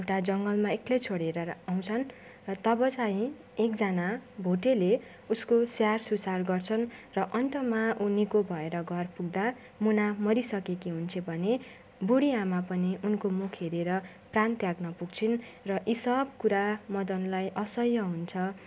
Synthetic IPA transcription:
ewʈad͡zʌŋɡʌlmaeklejt͡sʰoɽeɾʌaw̃t͡sʰʌn | rʌt̪ʌbʌt͡saɦĩ | ekd͡zanabʱoʈele | uskosjarsusarɡʌrt͡sʰʌnrʌʔʌnt̪ʌmaʔunikobʱʌeɾʌɡʱʌrpuɡ̚d̪a | munamʌɾisʌkekiɦunt͡sʰʌbʱʌne | buɽiamapʌniʔunkomukʰɦeɾeɾʌ | prant̪jaɡnʌpuɡ̚t͡sʰinrʌʔisʌb̚kuɾamʌd̪ʌnlajʔʌsʌjːʌɦunt͡sʰʌ

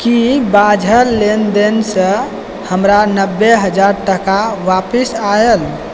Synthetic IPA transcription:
kibad͡ʒʱəɾlend̪ensə̃ | həmɾanəbːeɦəd͡ʒaɾʈəkaʋapisael

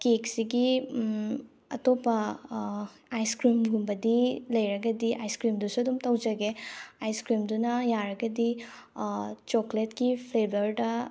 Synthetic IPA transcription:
keksiɡi | ɐ̰topɐ | ajskɾimɡumbɐdilɐjɾɐɡɐdiʔajskɾimdusuɐdumtɐwd͡ʒɐɡeajskɾimdunɐjaɾɐɡɐdi | t͡ʃokletkipʰlebʱɐɾdɐ

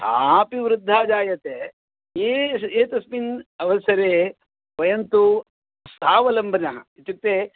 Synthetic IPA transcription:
hapiʋɾɪd̪ʱːaːd͡ʒaːjɐt̪eː | eeːt̪ɐsminɐʋɐsɐɾeː | ʋɐjɐnt̪u | sʰaːʋɐlɐmbʱɐnɐɦɐ̰it̪uk̚t̪e

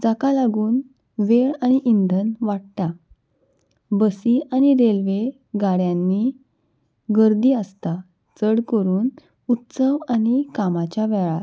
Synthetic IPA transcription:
d͡zakalaɡuːn | ʋeɭaɽ̃iʔind̪ʱənʋaɽʈ̪a | bəsiaɽ̃iɾelʋe | ɡaɽjãnːiː | ɡəɾd̪iːəst̪a | t͡səɽkəɾuːn | ut̪səʋaɽ̃ikamat͡ɕaʋɛɭa

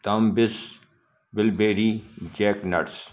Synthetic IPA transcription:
t̪ɐmbɪs | bɪlbeːɾiːd͡ʒeːknɐ̰ɽs

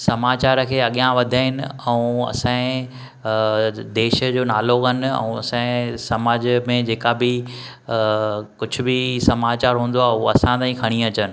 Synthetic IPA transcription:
sɐmaːt͡ɕaːɾkʰeːɐɠijãʋɐd̪ʱaːɦɪnɪɛ̃ũɐ̰sãɪ̃ | d̪eːʃə̆d͡ʑoːnaːloːɡən̆ɛ̰̃ũɐ̰sãɪ̃sɐmaːd͡ʑmẽd͡ʑeːkabɪ | kʊd͡ʑʱʊ̆bɪsɐmaːt͡ɕaːɾɦũːn̆d̪oaːɦʊoɐsãt̪ãːĩkʰɐɽ̃ĩɐt͡ɕənɪ̆

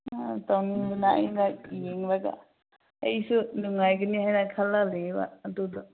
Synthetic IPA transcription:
atawniunaʔɐ̰jnajeŋbaɡa̰ | ə̰jsunuŋajɡɯnihajnakʰalːaleba̰ːdudɔ

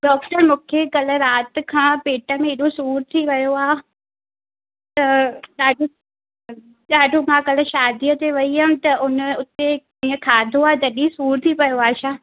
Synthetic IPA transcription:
ɗɔːk̚ʈəɾmũːkʰekɐlə̆ɾaːt̪̆kʰãːpeːʈəmẽɪɗosuːɾt̪ʰiʋɐjoaː | t̪ɐɗaːɖʱo | ɗaːɖʱomʰãːkɐlə̆ʃaːd̪iət̪eʋɐiɦət̪ɐʔʊnʊt̪e | ĩːə̃kʰaːd̪ʱoaːd͡ʑ̪ɐɗĩsuːɾt̪ʰipɐjoaːʃaː

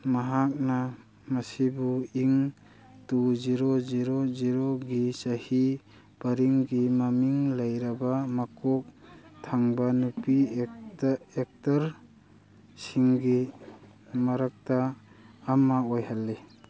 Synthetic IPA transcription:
maɦak̚na | mɐsibuiŋ | tuziɾoziɾoziɾoɡisahi | bɐɾiŋɡimamiŋlɐjɾabamakʰɔk̚tʰaŋbanupi | ek̚taɾ | siŋɡi | mɐɾak̚taː | maojhalːe

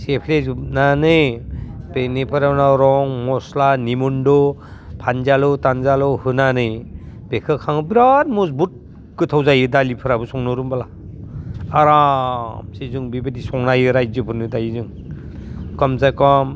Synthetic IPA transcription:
sepʰleznanɯjpenipʰɯɾawnaɾɔŋmɔslanimundɔpʰanzalɯtanzalɔhɯnanɯj | b̥ekʰɯkʰaŋɯbiɾat̚musbut̚ | kɯtʰawzajɯdalipʰɯɾabɯsɔŋnɯɾumbala | aɾamsizuŋbibadisɔŋnajɯɾajzɯpʰɯnɯdajɯzɯŋ | kɔmzajkɔm

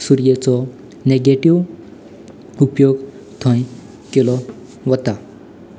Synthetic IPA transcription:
suɾjet͡sɔ | neɡeʈiw | upjoɡ | t̪ʰɔ̃j | kilɔ | ʋɔt̪a

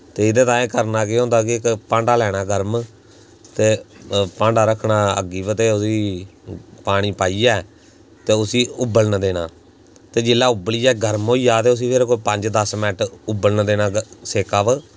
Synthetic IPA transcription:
t̪eːɪd̪ẽːt̪ãːeːkəɾnaːk̬ɪɦõːnd̪aːk̬ɪkpãːɳɖaːlɛːɽ̃aːɡəɾm | t̪eːpãːɳɖaːɾəkʰnaːə̰ɡiːbət̪eːʊsiː | paːɽ̃iːpaːiːaː | t̪eːʊsiːʊbəlnəd̪eːɽ̃aː | t̪eːd͡ʒɪlːaːʊbəliːɛːɡəɾmoːiːjaːt̪eːʊs̬iːpʰeːɾkoːipəɲd͡ʒd̪əsmɛːʈʊbəlnd̪eːnaːseːkaːb

